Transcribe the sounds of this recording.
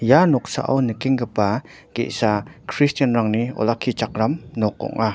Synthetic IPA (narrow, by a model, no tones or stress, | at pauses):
janɔk̚sa̰ʔa̰wnəkiŋɡəpa | ɡḛʔsakʰɾistənɾaŋniɔ̰lakʰit͡ʃakɾamnɔkɔ̰ŋʔa